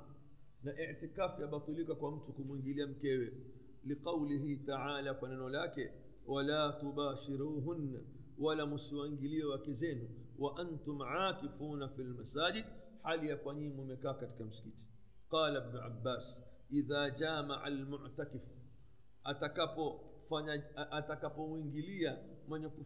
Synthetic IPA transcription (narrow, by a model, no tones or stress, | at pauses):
naʔiʕtikafjaɓat̪ˤulikakwam̩tukumwiŋɡiliam̩kɛwɛ | liqɑwliɦitaʕaːlakwananɔlakɛ | walaːtuɓaːʃiɾuːɦunːa | walamusiwaŋɡiliɛwakɛzɛnuwaʔantʊmʕaːtifuːnafilmasaːʄid | halijakwaɲimumɛkaːkati̥kam̩si̥kiti̥ | qɑːlabnuʔa̰bːaːs | ʔiðaːd͡ʒaːmaʕa̰lmʊʕtakɪf | atakapɔ | faɲaʔatakapɔmuiŋɡilia | mwɛɲɛku